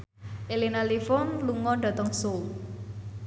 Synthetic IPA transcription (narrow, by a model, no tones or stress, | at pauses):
ʔelinalifɔnluŋɔɖ̥a̤t̪ɔŋsol